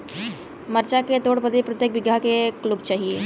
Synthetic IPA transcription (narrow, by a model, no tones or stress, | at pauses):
məɾt͡ʃaket̪oːɽpəd̪epɾət̪jek̚bɪɡakekluɡt͡ʃaːɦie